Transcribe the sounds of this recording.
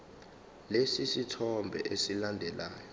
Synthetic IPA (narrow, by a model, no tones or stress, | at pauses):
lesisitʰɔmbʱɛ̰ʔesilandʱɛlʔaːjɔ